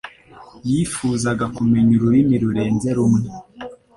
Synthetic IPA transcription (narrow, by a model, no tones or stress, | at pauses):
jifuːzaɡakume̞ɲuɾuɾimiɾuɾe̞ːnze̞ɾumŋe